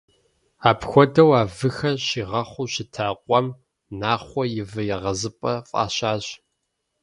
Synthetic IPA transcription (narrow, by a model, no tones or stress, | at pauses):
aːpxʷɔdɐwaːvɨxɐɕiːʁɐχʷʊʃɪtʰaːqʷʼɔm | naːχʷɔjɪvɨjɪʁɐzɨpʼɐfʼa̰ːɕaːɕ